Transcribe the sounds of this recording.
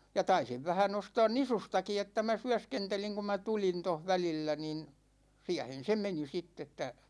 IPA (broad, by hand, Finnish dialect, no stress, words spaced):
jɑ tɑisiʋ ʋæhæn ostɑːn nisustɑki etːæ mæ syæskenteliŋ kum mæ tulin toh ʋælilːæ nin siæhen̞ se meni sitː etːæ